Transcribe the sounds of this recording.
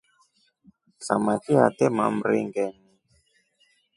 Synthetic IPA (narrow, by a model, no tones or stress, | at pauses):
sa̰makia̰t̪ɛma̰m̩ɾiŋɡɛni